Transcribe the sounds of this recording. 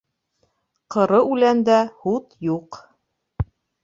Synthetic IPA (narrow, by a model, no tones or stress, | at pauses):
qɤ̆ɾɤʉlænd̪æhut̪juq